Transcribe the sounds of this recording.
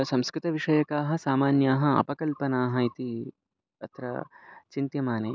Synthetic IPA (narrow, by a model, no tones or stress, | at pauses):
sɐmskɾɪt̪ɐʋiʂɐjɐkaːɦɐ̆saːmaːnjaːɦɐɐ̰pɐkɐlpɐnaːɦɐit̪i | ɐ̰t̪ɾɐ̰t͡ʃint̪jɐmaːneː